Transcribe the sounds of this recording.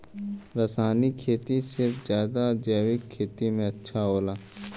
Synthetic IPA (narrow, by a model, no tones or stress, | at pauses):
ɾəsaːnikʰeːt̪isɪɾfzjaːd̪ad͡ʒɛːʋɪkʰːeːt̪imẽɐtːʃʰaɦoːlaː